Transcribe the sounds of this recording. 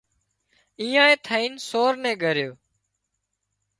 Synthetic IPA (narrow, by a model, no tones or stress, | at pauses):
iːãːẽːt̪ʰəiːnsoːɾnɛ̃ːɠʱəɾjoː